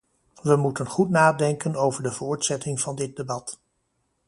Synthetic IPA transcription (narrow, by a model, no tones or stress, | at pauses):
ʋəmutənχutnaːdɛŋkənowvəɹdəvʊːɹtsɛtɪŋv̥ɑndɪt̚debɑt